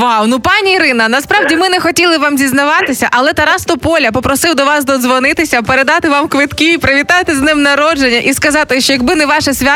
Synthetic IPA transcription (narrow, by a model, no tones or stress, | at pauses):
ʋawnupɑnʲiːɾɪnɐnɐspɾɑwdʲimɪnɛxɔtʲilˠɪʋɑmzʲiznɐʋɑt̪ɪsʲɐʔɐlˠɛt̪ɐɾɑst̪ɔpɔlʲɐpɔpɾɔsɪwd̪ɔʋɑsd̪ɔd̪zʋɔnɪt̪ɪsʲɐpeɾed̪ɑt̪ɪʋɑmkʋɪt̪kʲiːpɾɐʋʲit̪ɑt̪ɪznɪmnɐɾɔd͡ʒenʲːɐʔiskɐzɑt̪ɪʃt͡ʃɔjɐɡ̚bɪnɛʋɑʃɛsʲʋʲa